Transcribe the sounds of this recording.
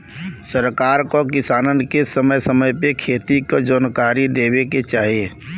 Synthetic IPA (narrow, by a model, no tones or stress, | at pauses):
səɾkaːɾkokɪsaːnənkesəməjsəməjpekʰeːt̪ikod͡ʒəːnkaːɾid̪eːweket͡ʃaːɦieː